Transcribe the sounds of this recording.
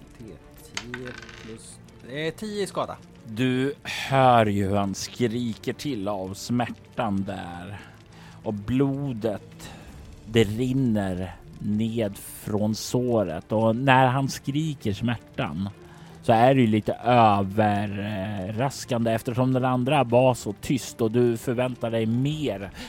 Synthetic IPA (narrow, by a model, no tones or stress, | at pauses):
t̪ʰe | t̪ʰiːəɪskɑːd̪a̰ | d̪ɵhœːɾjɵhʉhanskɾiːkəʈʰɪlːavsmæʈːand̪æːɾ | ʔɔbluːd̪ət̪ | d̪ɛɾɪnːəɾ | neːd̪ | fɾɔnsoːɾə̰t̪ɔnæɾɦanskɾiːkəʂmæʈːa̰n | sɔæɖɛjɵliːt̪əʔøːvəɾːaskand̪əɛft̪əʂɔmd̪ɛnand̪ɾavaɾʂɔt̪ʰʏst̪ɔd̪ɵfœɾvɛnt̪aɖɛjmeːɾ